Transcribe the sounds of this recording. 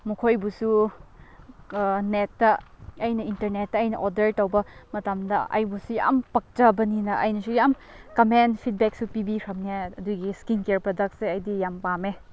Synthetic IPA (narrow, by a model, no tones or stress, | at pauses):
mukʰojbusu | netːɐ | ɐjnɐintɐɾnetːɐɐjnɐʔɔdɐɾtowbɐmɐtɐmdɐɐ̰jbusuja̰mpɐk̚t͡ʃɐbɐninɐʔɐjnɐsujam | kɐmenpʰit̚bɛk̚supibiɾʰɐmniaɐduɡiskinkeɾpɾodɐk̚tseɐjdijampame